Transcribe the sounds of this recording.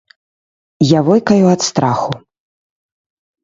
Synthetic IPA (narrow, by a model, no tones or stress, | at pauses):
javɔjkɐjuat̪st̪ɾʔaxu